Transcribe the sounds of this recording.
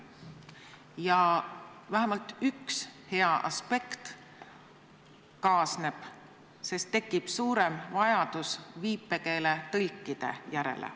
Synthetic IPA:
jɑ | væɦæmɑlt̪ykshe̞ɑʔɑ̰spe̞kt̪ | kɑːsne̞b̥ | se̞st̪ːe̞kːˑib̥suːɾe̞mvɑjɑd̪̥usviːpːˑe̞ke̞ːle̞t̪ɤlkːˑid̪̥e̞̰jæɾḛlʔḛ

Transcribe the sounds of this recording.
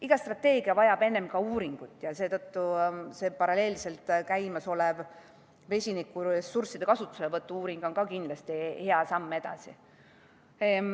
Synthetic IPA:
iɡ̥ɑst̪rɑt̪ːˑe̞ːɡ̥iɑvɑjɑb̥e̞nːe̞mkɑuːɾiŋɡ̥ut̪ːˑjɑse̞ːt̪ɤt̪ːuse̞ːpɑɾɑle̞ːlse̞lt̪ˑkæjmɑso̞lev | ve̞sʲinikːˑuɾesːursid̪̥e̞kɑsut̪ːˑu̥selevɤt̪ːˑuuːɾiŋɡ̥o̞nkɑkind̪lɑst̪ihe̞ɑsɑmːe̞d̪̥ɑ̰sḭ

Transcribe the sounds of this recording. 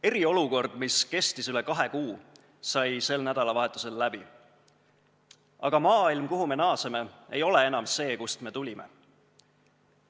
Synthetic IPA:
e̞ɾio̞luko̞rd̪̥miske̞st̪isyle̞kɑɦekuː | sɑjse̞lnæd̪̥ɑlɑvɑɦe̞t̪ːˑu̥se̞lːæb̥i | ɑ̰ɡ̥ɑmɑːilmkuɦume̞nɑːseme̞e̞jo̞le̞e̞nɑmse̞ːkust̪me̞t̪ulʲimḛ

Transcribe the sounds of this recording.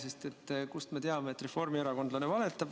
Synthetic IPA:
sest̪e̞t̪ːˑkust̪me̞t̪eɑme̞ːt̪re̞fo̞rmieɾɑkond̪lɑne̞vɑle̞t̪ːˑɑb̥

